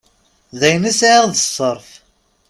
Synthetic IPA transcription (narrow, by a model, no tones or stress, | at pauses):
ðæjnisʕaʁðəsˤːəɾˤf